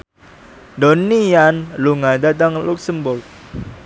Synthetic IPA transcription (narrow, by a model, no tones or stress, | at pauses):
dɔnianluŋadat̪aŋluksəmbʊrk̚